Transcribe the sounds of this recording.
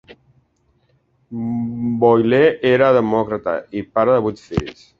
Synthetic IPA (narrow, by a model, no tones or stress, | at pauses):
bojleʔeɾaðəmɔkɾat̪a̰ipaɾəðəβut̪fḭs